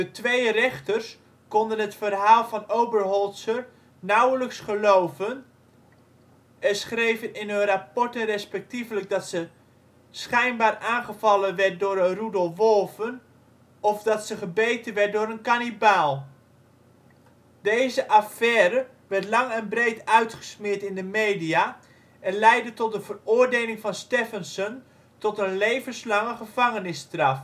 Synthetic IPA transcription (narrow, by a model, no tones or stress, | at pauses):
dətʋejərɛχtərs | kɔndənɦətfərɦaːlˠvɑnowbərɦɔlˠtsəɹ | nawləksχəlowvən | ɛsχrejvənɪnɵnrapɔɹtənrɛspɛk̚tivləɡ̚dɑtsə | sχɛjnbaːraːnχəvɑlənʋɛɹt̚dʊːɾərudəlˠʋɔlˠvən | ɔfdɑtsəχəbejtənʋɛt̚dʊːɾənkanibaːlˠ | dejzəʔafɛːɾə | ʋɛrtlɑŋɛnbrejtœɥtχə̥smɪːɹtɪndəmejdija | ʔɛnlɛjdətɔt̚dəvərʊːrdeːlɪŋfɑnstɛfənsən | tɔtənlejvənslɑŋəχəv̥ɑŋənɪstrɑf